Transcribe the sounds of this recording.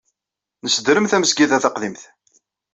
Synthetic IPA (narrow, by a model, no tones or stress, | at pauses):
nəsəd̪ɾəmθæməsɡiðæθɑqðimθ